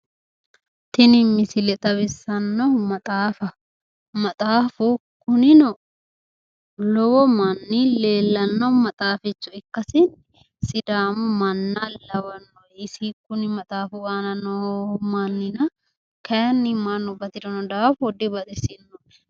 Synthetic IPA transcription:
t̪ɪnɪmːɪsɪlɛt̪ʼɐβɪsːɐnːɔmɐt̪ʼaːfɐ | mɐt̪ʼaːfʊkʊnɪnɔ | lɔwɔmɐnːileːlːɐnːɔmɐt̪ʼaːfɪt͡ʃːʊɪkːɐsɪn | sɪd̪aːmʊmɐnːɐlɐwɐnːɔɪsikʊnɪmɐt̪ʼaːfʊaːnɐnɔmɐnːɪnɐ | kɐjnːɪmːanːɔbɐt̪ɪd̪ɔnɔd̪aːfɔd̪ɪbɐt̪ʼɪsɪnːɔʔɛ̥

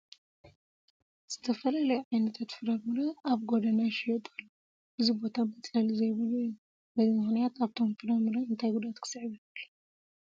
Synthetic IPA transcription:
z̥ɨt̪ʰɐfɐlalɐjʕajnɐt̪ʰat̪fɨɾɐmɨɾɐaβɡod̪ɐnaʃijot̪ʼolːo | ʔɨzibo̞t̪ʰabɐt͡s̪ʼalzɐjβɨluju | bɐzimɨxnijat̪aβt̪ʰo̞mfɨɾɐmɨɾɐɨnt̪ʰajɡud̪at̪kʰɨ̥sɨʕβiβɨlːu

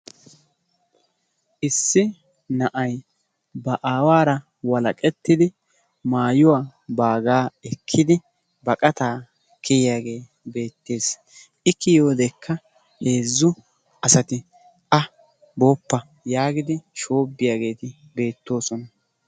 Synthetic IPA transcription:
ʔɪsːɪ | nɐʔɐj | bɐʔaːwaːɾɐ | wɐlɐkʼɛt̪ːɪd̪ɪ | maːjʊwaːbaːɡaːɛkʰːɪd̪ɪ | bɐkʼɐt̪aː | kʰɛjɪjaːɡe̞ː | be̞ːt̪ːe̞ːs | ɪkːɪjo̞ːd̪ɛkːɐ | he̞ːzːʊ | ɐsɐt̪ɪ | ʔɐ | boːpːɐ | jaːɡɪd̪ɪʃo̞ːbːɪjaːɡe̞ːt̪ɪ | be̞ːt̪ːo̞ːsɔnɐ

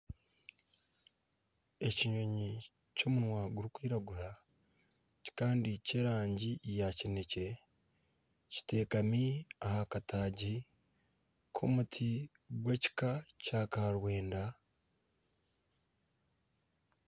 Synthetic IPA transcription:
e̞ciɲo̞ɲi | co̞ːmunwaːɡuɾikwiːɾaɡuɾa | ci̥kaːndice̞ːɾaːɲɟijacine̞ce̞ | ci̥te̞ːkamiahakataːɟi | kʰo̞̰mutʰi | ɡwe̞ci̥kacaːkaɾwe̞ːnda

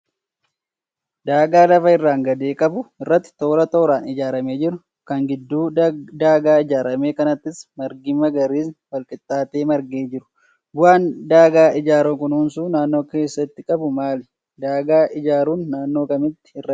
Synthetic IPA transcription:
d̪aːɡaːlɐfɐɪrːaːŋɡɐd̪e̞ːkʼɐbʊɪrːɐt̪ːɪ̥t̪o̞ːɾɐt̪o̞ːɾaːnɪd͡ʒaːɾɐmeːd͡ʒɪɾʊ | kɐŋɡɪd̪ːuːd̪aːɡaːɪd͡ʒaːɾɐmeːkɐnɐt̪ːɪsmɐɾɡɪmɐɡɐɾiːsfɐlkʼɪt̪ʼːaːt̪e̞ːmɐɾɡeːd͡ʒɪɾʊ̥ | bʊaːnd̪aːɡaːʔɪd͡ʒaːɾoŋkʊnhuːnsuːnaːnːo̞ːke̞ːsːɐt̪ːɪkʼɐbʊmaːlɛ | d̪aːɡaːʔɪd͡ʒaːɾuːnːaːnːo̞ːkɐmɪt̪ːɪ̥ɪrːɐ

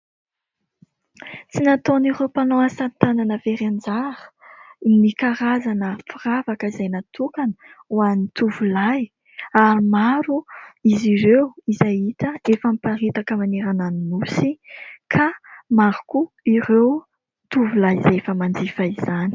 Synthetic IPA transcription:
t͡sinat̪onirewpanoasant̪ananəveɾend͡zaɾə̥nikaɾazanəfiravakəizajnat̪ukanəwanit̪uvulaj | aɾimaɾuiziɾewizajit̪əefəmipaɾit̪akəmaneɾananinusikʰamaɾuku | irew | t̪uvulajzaefəmand͡zifaizani̥

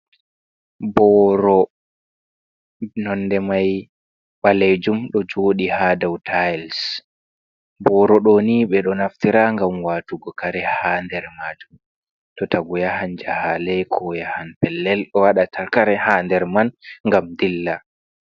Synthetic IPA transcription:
bɔɾɔ | nɔnːdɛmaj | ɓalɛd͡ʒumɗɔd͡ʒoːɗihadawtʰajls | bɔɾɔɗoniɓɛɗɔnaftiɾaŋɡamwaːtuɡɔkaɾɛhaːndɛɾmaːd͡ʒum | tɔtaɡɔjahand͡ʒahalɛkʰɔjahanpɛlːɛlɗɔwaɗatʰaɾkaɾɛhaːndɛɾmanŋɡamdilːa

